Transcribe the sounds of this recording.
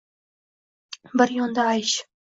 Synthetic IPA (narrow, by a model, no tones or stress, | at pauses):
bɪɾjond̪ɑːjɕ